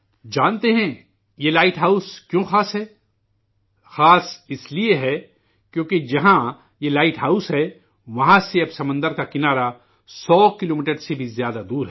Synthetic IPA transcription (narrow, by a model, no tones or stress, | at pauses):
d͡ʒãːnt̪eɦɛ̃ | jelaːɪʈɦaːʊskjõːxaːsɦɛː | xaːsɪslieɦɛ | kjõːked͡ʒɐɦã | jelaːɪʈɦaːʊsɦɛː | ʋɐɦãseɐbsɐmə̃nd̪əɾkakɪnaːɾa | sɔːkɪloːmiːʈəɾsebʱizjaːd̪ad̪uːɾɦɛ